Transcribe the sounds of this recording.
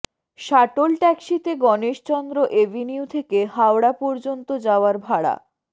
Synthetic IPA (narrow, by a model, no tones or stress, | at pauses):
ʃaʈolʈɛkʃit̪eɡɔneʃt͡ɕɔnd̪ɾoʔebʱiniut̪ʰekeɦaoɽapɔɾd͡ʑont̪od͡ʑaoaɾbʱaɽa̰